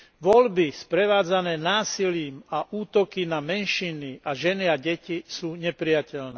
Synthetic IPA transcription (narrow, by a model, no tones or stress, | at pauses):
ʋɔʎbispɾɛʋaːd͡zanɛːnaːsiliːmaʔuːt̪ɔkinamɛnʃiniaʒɛniaɟɛcisuːɲɛpɾɪjacɛlnɛː